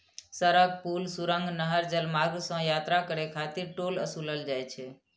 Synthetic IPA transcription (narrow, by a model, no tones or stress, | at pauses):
səɾəɡ̚pulsuɾə̃ŋɡnəɦəɾd͡ʒəlmaɡsə̃jat̪ɾakəɾekʰat̪iɾʈoləsuləld͡ʒajt͡ʃʰɛ